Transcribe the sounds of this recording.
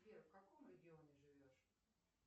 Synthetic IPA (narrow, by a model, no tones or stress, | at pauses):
vʲeɾfkɐko̞mɾʲɪɡʲɪo̞nʲɪʐɨvʲo̞ʂ